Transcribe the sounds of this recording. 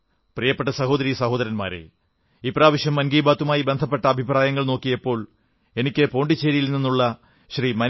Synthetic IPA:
prijɐpːeʈːɐsɐɦo̞ːd̪ɐɾisɐho̞ːd̪ɐɾɐnma̰ːɾḛ | ipːraːʋɐɕjɐmːɐnɡiːbaːt̪ːumaːjibe̞nd̪ʱɐp̬ːe̞ʈːɐːbʱipraːjɐŋːɐɭno̞ːkːijepːo̞ːɭ | e̞nikʲːɨpo̞ːɳɖit͡ɕːeːɾijilninːuɭːɐ | ɕrimɐ

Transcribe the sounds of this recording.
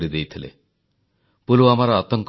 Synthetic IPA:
ɽid̪ejt̪ʰilḛ | puluamaɾaːt̪ɔŋk

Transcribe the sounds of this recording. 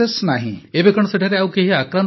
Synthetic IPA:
əsnaɦiebekəɳ̃səʈʰaɾeawkeɦiakɾan

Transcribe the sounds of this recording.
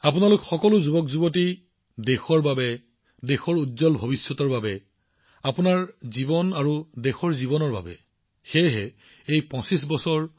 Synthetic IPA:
apʊnalʊkxɔkɔlʊzubɔkzuboti | dexɔɹbabɛ | dexɔɹudzɔlbʱobisːɔtɔɹbabɛ | apʊnaɹzibɔnaɹudexɔɹzibɔnɔɹba̰bɛ̰ | xejɦɛ | ejpɔ̃sisbɔsɔɹ

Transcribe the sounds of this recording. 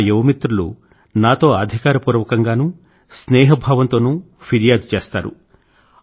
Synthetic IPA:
jeʋɐmit̪ɾulṵ | naːt̪o̞ːɐd̪ʱikaːɾɐpuːɾʋɐkɐŋɡaːnuː | snɛːɦɐbʱaːʋɐnt̪o̞ːnu | pʰiɾijaːd̪t͡ʃeːst̪a̰ːɾṵ

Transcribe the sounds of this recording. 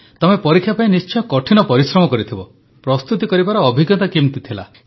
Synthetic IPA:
t̪ɔmepɔɾikʰːjapaĩnist͡ʃɔjɔ̃kɔʈʰinɔpɔɾisɾɔmɔkɔɾit̪ʰibɔ | pɾɔst̪ut̪ikɔɾibaɾɔːbʱiɡjɔt̪akimt̪it̪ʰila̰

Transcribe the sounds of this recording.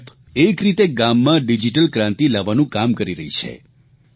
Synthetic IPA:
p | ekɾit̪eɡamːãɖid͡ʒiʈəlkɾãnt̪ilaʋːanũkamkəɾiɾəɦit͡ʃʰḛ

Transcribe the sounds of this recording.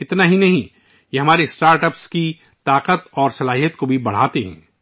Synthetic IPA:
ɪt̪naɦinɐɦĩ | jeɦɐmaːɾesʈaːɾʈəpski | t̪aːqət̪ɔːɾsɐlaːɦijət̪kobʱibɐɽ̤aːt̪eɦɛ̰̃ː

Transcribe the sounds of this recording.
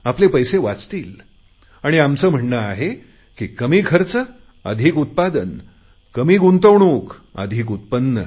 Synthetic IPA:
aplepəjseʋat͡st̪iːl | aɽ̃iamt͡səːm̤əɳːəaɦe | kiːkəmiːɡʰʱəɾt͡sə | ə̰d̪ʱiːkut̪̚pad̪ən | kəmiːɡunt̪əʋɳuːkə̰d̪ʱiːkut̪̚pənːə̰

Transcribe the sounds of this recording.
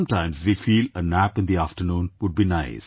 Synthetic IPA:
ʌ̃mʈãɪ̃mzʋifiːlənæpɪ̃nd̪iæfʈənũːnʋʊɖ̚binaɪs

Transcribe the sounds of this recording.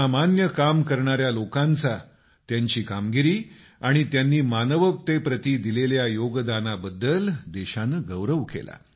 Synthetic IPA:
amanjəkamkəɾɳaɾjalokant͡sa | t̪jaɲt͡ɕiːkamɡiɾiː | aɽ̃it̪janːiːmanəʋək̚t̪epɾət̪iːd̪ileljajoɡd̪anabəd̪ːəld̪eɕanəɡəʋɾəʋkḛla̰

